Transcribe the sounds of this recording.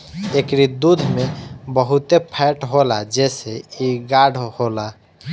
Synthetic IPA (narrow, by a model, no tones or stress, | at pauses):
ekɾid̪ud̪ʱmebəɦut̪epʰɛʈɦolad͡ʒɛseiɡaɽhola